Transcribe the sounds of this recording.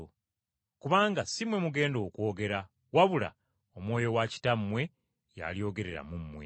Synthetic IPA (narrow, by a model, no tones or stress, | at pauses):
kuβaːŋɡasimwe̞muɡe̞ːndo̞ːkwo̞ːɡe̞ɾa | waβula̰ | omwo̞ːjo̞waci̥tamːwe̞ | ja̰lijo̞ːɡe̞ɾe̞ɾa̰mumːwḛ